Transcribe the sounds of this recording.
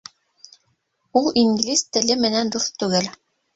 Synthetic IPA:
ulˠiŋɡlʲist̪ɘ̆lɘmɘ̆nænd̪uθt̪ʉɡɘl

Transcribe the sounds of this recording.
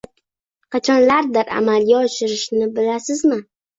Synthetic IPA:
qət͡ʃʰanlard̪aɾa̰maljɛwʃɪɾɨʃnɨbɨlasɨzmɨ

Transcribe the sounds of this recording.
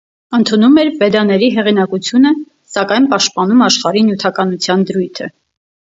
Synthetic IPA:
ənt̪ʰunumɛɾvɛd̪ɑnɛɾiɦɛʁinɑkut͡sʰjunə | sɑkɑjnpɑʃt̪̚pɑnumɑʃχɑɾinjut̪ʰɑkɑnut͡sʰjɑnd̪əɾujt̪ʰə̰

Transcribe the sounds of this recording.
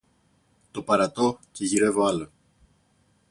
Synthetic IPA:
t̪o̞pɐɾɐt̪o̞ce̞ʝiɾe̞voɐlo

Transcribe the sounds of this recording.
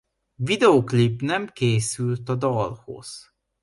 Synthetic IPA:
vid̪ɛoklipːnɛmkeːsylt̪ɒd̪ɒlho̰z̥

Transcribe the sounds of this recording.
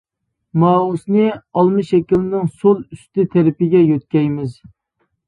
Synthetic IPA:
mɑːusnɨɑlˠmɨʃɛkʲilɪnɪŋsolˠyst̪ɪt̪ʰɪɾɪpɪɡʲɛjøt̪̚kʲɛjmɪz

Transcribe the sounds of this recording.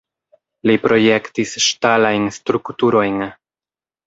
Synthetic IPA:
lipɾo̞je̞ktisʃtalajnstɾuktuɾo̞jn

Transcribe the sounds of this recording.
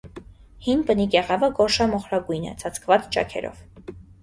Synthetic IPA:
hinpənikɛʁɑvəɡɔʃɑmɔχɾɑɡujnɛ̰t͡sʰɑt͡sʰkʰvɑt͡st͡ʃɑ̰kʰɛ̰ɾɔ̰v

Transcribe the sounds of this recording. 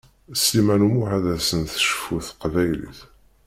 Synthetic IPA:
slimænumuħæðæsənθə̥ʃə̥fuθə̥qvæjlḭθ

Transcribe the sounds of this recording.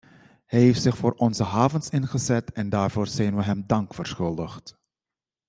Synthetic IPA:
hɛjɦejftsɪχfoːɹʔɔnzəɦaːvənsɪnχəzɛtɛndaːɹvoːɹz̥ɛjnʋəɦɛmdɑŋkfəɹsχɵlˠdəχt

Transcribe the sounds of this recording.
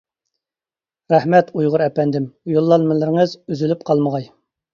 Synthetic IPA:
ɾɛhmɛt̪ʰujʁʊɾɛpɛnd̪ɪmujulˠːɑnmɨlɪɾɪŋəzyzylyp̚qʰɑlˠməʁɑj

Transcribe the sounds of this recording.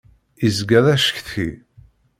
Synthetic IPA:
izɡæðæʃə̥çθçḭ

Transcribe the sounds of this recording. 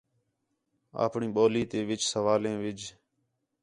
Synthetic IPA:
a̰ːpɳĩːɓoːliːt̪eːʋɪt͡ʃsəʋaːlẽːʋɪd͡ʒ

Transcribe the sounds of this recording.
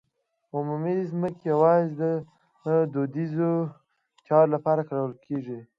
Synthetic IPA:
ʊmumizməkejawɑzd̪ə | d̪od̪izo | t͡ʃɑɾlapɑɾakɽawəlkʰeʐi

